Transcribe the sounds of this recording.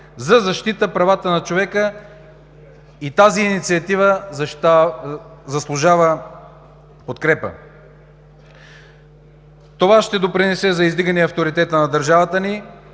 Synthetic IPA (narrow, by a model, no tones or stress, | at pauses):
zɐzɐʃt̪it̪əpɾɐvat̪ənɐt͡ʃovɛkə | it̪aziːnit̪siɐt̪ivə | zɐslˠʊʒavə | pot̪kɾɛpə̰ | t̪ovaʃt̪ɛd̪opɾinɛsɛzɐizd̪iɡənɛɐft̪oɾit̪ɛt̪ənɐd̪əɾʒavət̪əni